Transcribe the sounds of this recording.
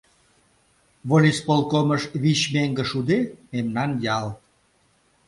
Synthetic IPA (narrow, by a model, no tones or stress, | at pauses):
βolʲispolˠkoməʃβiɕmeŋɡə̆ʃud̪ememnɑnjɑl